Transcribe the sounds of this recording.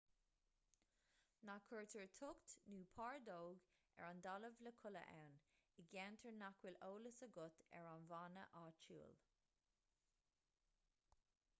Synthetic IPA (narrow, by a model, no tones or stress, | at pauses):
nakʰəɹt̪ʰəɹt̪ʰʊkt̪nuːpʰɑːɹd̪oːɡ | ɛ̰ɹand̪ɑləvləkʰʊlə̰ʔɛ̰nɪɡɛntʰəɹnakʰwɪloːləsəɡʊt̪ɛ̰ɹanvanə̰ʔaːt͡ʃṵːl